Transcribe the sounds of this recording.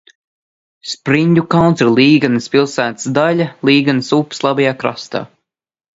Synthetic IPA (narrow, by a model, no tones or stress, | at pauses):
spɾiɲʲdukawnɾlˠiːɡanɨspʲilˠsæːt̪sd̪alʲalˠiːɡanɨsupslˠabɛjaːkɾa̰st̪a̰ː